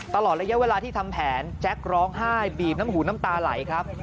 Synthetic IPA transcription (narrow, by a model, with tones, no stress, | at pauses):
t̪a˧lɔː˨˩t̪̚ɾa˧ja˥weː˧laː˧t̪ʰiː˥˩t̪ʰa˧mpʰɛː˩˦nt͡ɕʰɛ˦˥k̚ɾɔː˦˥ŋɦaː˥˩jbiː˨˩p̚na˦˥mɦuː˩˦na˦˥mt̪aː˧la̰˩˦jkʰɾa˦˥p̚